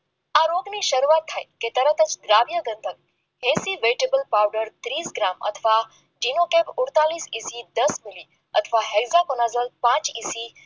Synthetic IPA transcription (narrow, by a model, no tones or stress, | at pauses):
aːɾoːɡniʃɐɾuaːt̪ʰːaeket̪ɐɾət̪ət͡ʃd̪ɾaːʋjəɡ̪ə̃nd̪ʱək | ɦẽːsiʋeʈeːbəlpaːwɖəɾt̪ɾiːsɡɾaːmɐ̰t̪ʰəʋa | ɖiːnokeːpʊɽt̪aːliːsiːsid̪ɐsmɪliː | ɐt̪ʰʋaɦeɡzakonazəlpãːt͡ʃiːsi